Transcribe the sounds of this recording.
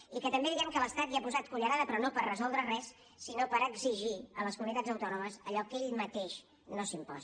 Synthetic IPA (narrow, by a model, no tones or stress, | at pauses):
ikət̪əmbeðiɛmkələst̪at̪liapuzat̪̚kuʎəɾaðəpɾɔnopərrəzɔlˠd̪ɾərɛsː | inopəɾəɡziʒiələskumunit̪ad͡zzəwt̪ɔnuməzəʎɔkeʎmət̪eʃ | nosimpɔ̰z